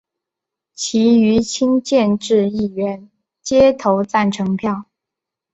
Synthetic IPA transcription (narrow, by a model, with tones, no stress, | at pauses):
t͡ɕʰi˧˥y˧˥t͡ɕʰi˥ŋt͡ɕjɛ˥˧nʈ͡ʂɻ̩˥˧i˥˩ɥɛ˧˥n | t͡ɕjɛ˥t̪ʰo˧˥ʊt͡sa˥˩nʈ͡ʂʰɤ˧˥ŋpʰjɑ˥˩ʊ